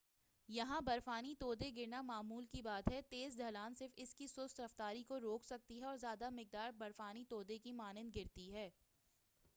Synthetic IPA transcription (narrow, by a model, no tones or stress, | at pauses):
jɐɦãbɐɾfaːnit̪oːd̪eɡɪɾnamaːmuːlkibaːd̪ɦɛt̪eːzɖʱɐlaːnsɪɾfɪskisʊːst̪ɾɐft̪aːɾikoɾoːksɐk̚t̪iɦɛɔːɾzjaːd̪amɪk̚d̪aːɾbɐɾfaːnit̪oːd̪ekimaːnɪ̃nd̪ɡɪɾt̪iɦɛː